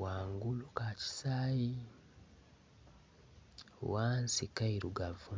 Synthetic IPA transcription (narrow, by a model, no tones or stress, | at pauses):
waːŋɡulukaci̥saːji | wansikaiɾuɡavu